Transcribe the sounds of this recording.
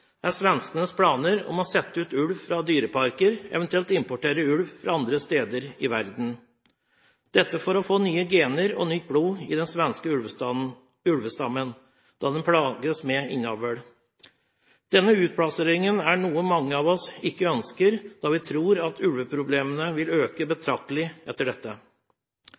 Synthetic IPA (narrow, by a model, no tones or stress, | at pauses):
æsʋɛnskənəspʰlɑːnəɾɔ̰mɔsɛt̪ːəʉːt̪ʉlʋfɾɑd̪yːɾəpʰɑɾkəɾɛ̰ʋɛnt̪ʉɛlt̪ɪmpɔʈeːɾəʉlʋfɾɑ̰ɑnd̪ɾəst̪eːd̪əɾɪʋæɾd̪n̩ | d̪̥ɛt̪ːəfɔɾɔfoːnyːəɡeːnəɾɔ̰nʏt̪̚bɽuːɪd̪ɛnsʋɛnskəʉ | ʉɽʋəst̪ɑmːən | d̪̥ɑːd̪ɛnpʰɽɑːɡəsmɛɪnɑːʋəɽ | d̪̥ɛnːəʉːt̪̚pʰɽɑseːɾɪŋənæɳuːəmɑŋːəɑːʋɔsɪkːəœnskəɾd̪̥ɑːʋɪt̪ʰɾuːɾɑt̪ʰʉlʋəpʰɾʊbleːmənəʋɪløːkəbət̪ʰɾɑk̚t̪əlɪʔɛt̪ːəɖɛt̪ːə